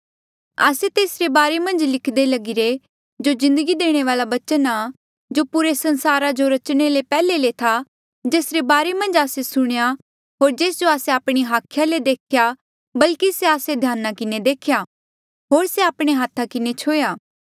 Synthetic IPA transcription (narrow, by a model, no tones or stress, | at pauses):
a̰ːset̪eːsɾebaːɾemɐ̃nd͡ʒlɪkʰd̪elɐɡɪɾe | d͡ʒozɪ̃nd̪əɡid̪eːɽ̃eʋaːlabɐt͡ʃəna | d͡ʒopuɾesɐ̃nsaːɾad͡ʒoɾɐt͡ʃɽ̃elepɛːlelet̪ʰa | d͡ʒeːsɾebaːɾemɐ̃nd͡ʒaːsesʊɽ̃eja | ɦoːɾd͡ʒeːs̬d͡ʒoaːseaːpɽ̃iɦaːkʰjaled̪eːkʰja | bɐlkiseaːsed̪ʱjaːnːakɪned̪eːkʰja | ɦoːɾseaːpɽ̃eɦaːt̪ʰakɪnet͡ʃʰoːjaː